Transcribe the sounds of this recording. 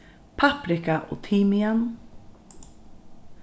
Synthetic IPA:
pʰapɾɪkaʔɔ̰t̪ʰiːmɪɛn

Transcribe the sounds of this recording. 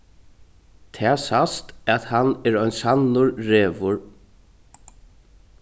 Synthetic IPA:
t̪ʰɛaːsast̪at̪hanɛɾœʏnsanʊɹɾeːʋʊɹ

